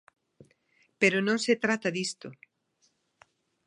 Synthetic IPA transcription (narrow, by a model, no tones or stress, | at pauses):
peɾonõŋset̪ɾat̪aðist̪o